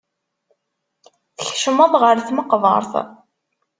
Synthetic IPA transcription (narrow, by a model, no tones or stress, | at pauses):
θəçʃəmɑðˤʁəɾθməqðˤɑ̰ɾˤθ